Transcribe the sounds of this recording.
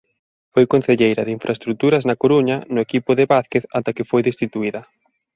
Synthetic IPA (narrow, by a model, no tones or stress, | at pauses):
fojkon̟θeʎejɾɐðeiɱfɾʔaest̪ɾut̪uɾɐznɐkoɾuɲɐnʊekipʊðeβaθkeθat̪akɪfojðest̪it̪uiðɐ